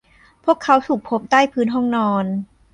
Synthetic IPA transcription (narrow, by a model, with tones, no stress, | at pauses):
pʰu˥˩əkʰːa˦˥wt̪ʰuː˨˩k̚pʰo˦˥p̚t̪aː˥˩jpʰɯː˦˥nɦɔ˥˩ŋnɔː˧n